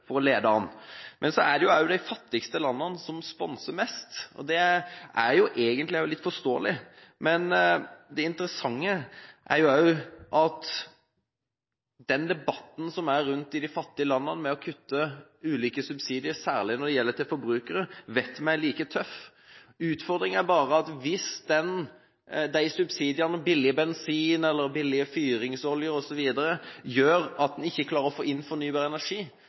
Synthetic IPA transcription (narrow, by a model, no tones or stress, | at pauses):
fɔɾɔleːd̪əɑnːmʔɛnsɔæɖɛjʊɑʊd̪æɪfɑt̪ːɪkst̪əlɑnːənsɔmspɔnsəmɛst̪ɔ̰d̪ɛæɾjʊʔeːɡənlɪæʊlɪt̪ːfɔst̪oːəlɪmɛnd̪ɛɪnt̪əɾəsɑŋːəʔæ̰ɾjʊɑʊʔɑt̪ | d̪̥ɛnd̪ɛbɑt̪n̩sɔmæɾɾʉnt̪ɪd̪ɪfɑt̪ːɪəlɑnːənmɛɔkʰʉt̪ːəʉːliːkəsʉbsiːd̪ɪəɾsæ̰ːʁlɪnɔd̪ɛjɛlːət̪ɪlfɔɾbɾʉːkəɾəʋɛt̪mæɪliːkət̪ʰœf | ʉːt̪fɔʁd̪ɾɪŋæɾbɑːɾəɑt̪ʋɪsd̪ɛn | d̪æɪsʉbsiːd̪ɪɑnəbɪlɪəbɛnsiːnɛlːəɾbɪlːɪəfyːɾɪŋsɔljəɾɔsɔʋiːd̪əɾəjøːɾɑt̪̚d̪ɛnɪçːəkʰlɑːɾəɾɔfoːɪnːfɔɾnyːbɑːɾəɛnæɾʂiː